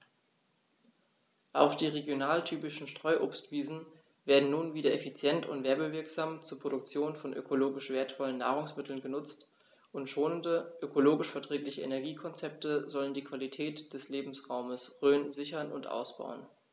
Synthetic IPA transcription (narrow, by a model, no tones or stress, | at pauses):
ʔa̰ʊxd̥iːʁeɡjonaːltʰyːpɪʃn̩ʃtʁ̥ɔʏʔoːpstv̥iːzn̩ | veːɐdn̩nuːnviːdɐʔɛfit͡sjɛntʰʊ̰ntv̥ɛːɐbəvɪɐkz̥aːmt͡suːɐpʁ̥oɾʊkt͡sjoːnfɔnʔø̰kʰoloːɡɪʃv̥eːɐtfɔlənːaːʁʊŋsmɪtʰl̩nɡənʊt͡st | ʊntʃoːnəndəʔøkʰoloːɡɪʃfɛɐtʁ̥ɛːplɪçəʔḛnɛɐɡiːkʰɔnt͡sɛp̚təzɔləndiːkv̥alitʰɛːtd̥ɛsleːbm̩sʁaʊməsʁøːnzɪçɐnʊntʔa̰ʊsb̥a̰ʊən